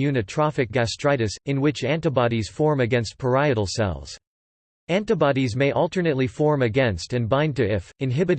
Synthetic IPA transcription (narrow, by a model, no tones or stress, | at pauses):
jʉnɨtʰɹ̥ɑfɨk̚ɡ̥æstʰɹ̥aɪɾɨsɨ̃nwɪt͡ʃæ̃ntɨbɑɾiz̥fɔɹmɨɡɛ̃nst̚pʰə˞aɪɨɾl̩ˠsɛ̰lˠz̥ | æ̃ntɨbɑɾizmeɪʔʌlˠtə˞nɨtˡlifɔɹmɨɡɛ̃nstɨ̃nbãɪ̃ntɨɪfɨ̃nɦɪbɨɾ